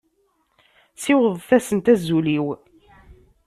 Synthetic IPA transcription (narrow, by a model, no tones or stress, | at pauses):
sɪwəðˤθæsənt̪æzːuliw